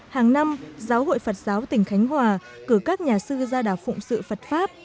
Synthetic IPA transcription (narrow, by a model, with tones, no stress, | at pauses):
haː˨˩ŋna˧mzaː˨˦who̰˧˨jfə˨˩t̚zaː˨˦wt̪ï˧˩ŋ̟xa˨˦jŋ̟hwaː˨˩ | kɨ˧˩kaː˦˥k̚ɲaː˨˩sɨ˧zaː˧ɗaː˧˩wfʊ̰˧˨ŋ͡msɨ̰˧˨fə˨˩t̚faː˦˥p̚